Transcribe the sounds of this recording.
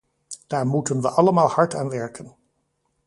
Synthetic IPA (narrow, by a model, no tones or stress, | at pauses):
d̥aːɹmutənʋə̰ʔɑləmaːlˠhɑɹtaːnʋɛɹkən